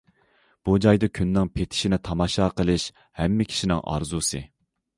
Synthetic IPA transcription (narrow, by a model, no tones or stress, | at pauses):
b̥ud͡ʒɑjd̪ɑkʲʰynːɪŋpʰet̪ʰɪ̥ʃinɪt̪ʰɑmɑʃɑːqʰəlˠɨʃ | hɛmːɪkʲʰi̥ʃinɪŋʔɑ̰ɾzusɨ̰